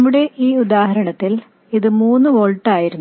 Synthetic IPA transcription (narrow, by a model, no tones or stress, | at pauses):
ɐmːuɽe̞ʔiːud̪aːɦɐɾɐɳɐt̪ːil | iðɨmuːnːɨʋoːɭʈːaːjiɾunː